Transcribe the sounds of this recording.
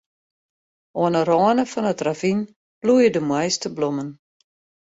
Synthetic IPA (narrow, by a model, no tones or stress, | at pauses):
oənərɔːənəfɔnətravin | b̥lujədəmwɛjstəblomən